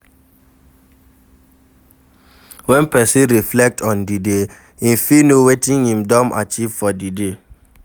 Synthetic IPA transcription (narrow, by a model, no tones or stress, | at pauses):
wɛ̃npɛsĩɹiflɛk̚tɔ̃ndide | ĩfinowetĩŋhĩmdɔ̃ma̰t͡ʃiv̥fɔdide